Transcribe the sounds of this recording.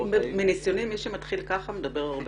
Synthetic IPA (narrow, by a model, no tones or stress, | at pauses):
menisjo̞nimiʃemat̪χilkaχamed̪ɐbe̞ʁaʁb